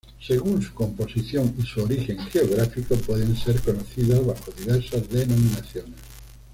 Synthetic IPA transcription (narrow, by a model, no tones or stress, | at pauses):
seɣunsu̥kõmposiθjoŋisuoɾixẽŋxeoɣɾafikopweðẽnseɾkonoθiðazβaxoðiβ̞eɾsazðenomĩnaθjones